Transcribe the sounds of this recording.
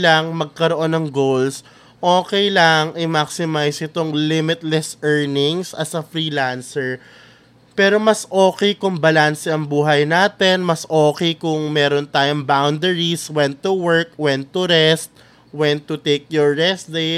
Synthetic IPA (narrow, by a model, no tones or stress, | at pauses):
lɐŋmɐɡ̚kɐɾoʔo̞nːɐŋɡowls | ʔo̞ːkɛjlɐŋʔɪmaksɪmajsɪt̪oŋlɪmɪt̪̚lɛsʔɛɹnɪŋsɐsɐfɾiːlansɛɹ | pɛːɾo̞mɐsʔoːkɛjkʊŋbɐlansɛɐŋbuːɦɐjnaːt̪ɛnmɐsʔoːkɛjkʊŋmɛːɾont̪aːjoŋbawnd̪ɛɹiswɛnt̪ːuwɛɹkwɛnt̪ʊɾɛst̪̚ | wɛnt̪ʊt̪ejk̚jɔɹːɛsd̪ɛ